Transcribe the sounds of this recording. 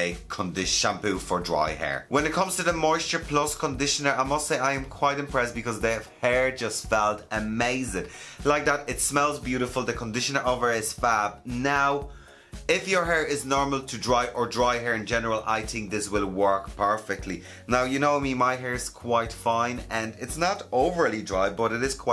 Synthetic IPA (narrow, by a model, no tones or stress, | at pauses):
əkʰə̃ndɪʃãmpʉfə˞dɹa̰ɪhɛ̰ɹwə̃nɪt̚kʰʌ̃mz̥tʰəðəmɔɪstə˞pʰl̥ʌskʰə̃ndɪʃə̃nə˞aɪmʌstseɪaɪɨ̃mkʰw̥aɪɾɪ̃mpʰɹ̥ɛstb̥ɨkʰʌzðəvhɛɹd͡ʒʌstfɛlˠtəmeɪzɪdlaɪk̚ðəɾɪtsmɛlˠzbjʉɾɪfəlˠðəkʰə̃ndɪʃə̃nə˞ʔovə˞ɪz̥fab̚naʊ | ɪfjə˞ɦɛːɹɪznɔɹməlˠtʰədɹaɪʔə˞dɹaɪɦəɹɪ̃nd͡ʒɛnəɹəlˠʔa̰ɪθɪ̃ŋk̚ðɪswɪlˠwɜ˞kpʰɜ˞fɪk̚tʰˡli | naʊjɨnoʊmĩnmaɪɦɛːɹɪz̥kʰw̥aɪtfãɪ̃nə̃nɪtsnəɾoʊvə˞lidɹaɪbʌɾɪɾɪz̥kʰw̥a